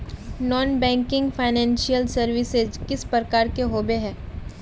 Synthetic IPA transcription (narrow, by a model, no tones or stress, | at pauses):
nɔːnbɛ̃ːŋkɪ̃ŋɡfʰaːɪnɛ̃ːnʃijəlsɐɾʋɪsezkɪspɾəkaːɾkeɦoːbeɦɛ̃ː